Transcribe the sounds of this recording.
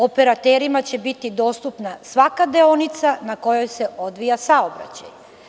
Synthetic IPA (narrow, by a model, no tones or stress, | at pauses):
o̞peɾat̪eːɾimat͡ɕe̞bit̪id̪o̞ːst̪upnasʋakad̪eonit̪sanako̞jo̞jse̞o̞d̪ʋijasaobɾa̰t͡ɕa̰j